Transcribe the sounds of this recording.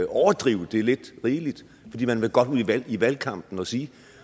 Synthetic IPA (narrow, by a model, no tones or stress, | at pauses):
ɒʊɐd̥ʁiʊd̥e̝æle̝d̥ʁiːlid̥ | fɒ̽d̥ḭːmænʋe̝ɡ̥ɒ̽d̥uðˠʋæl̰iʋælkʰɑ̈m̰b̥n̩ɒ̽siː